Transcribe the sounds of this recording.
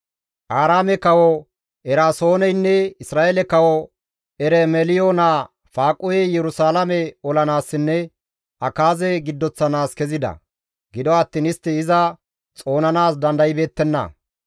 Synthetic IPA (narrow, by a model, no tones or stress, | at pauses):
ʔaːɾaːmɛkɐwɔ | ɛɾaːso̞ːnɛjnːɛɪsɾaːʔɛlɛkɐwɔ | ɛɾɛmɛlɪjoːnaː | faːkʼʊjɛjɛɾʊsaːlɐmɛɔlɐnaːsːɪnːɛ | ʔɐkaːzɛɡɪd̪ːɔt͡sːɐnaːskɛzɪd̪ɐ̰ | ɡɪd̪ɔɐt̪ːiːnɪst̪ːɪɪzɐ | t͡sʼo̞ːnɐnaːsd̪ɐnd̪ɐjɪbe̞ːt̪ːɛnːɐ̰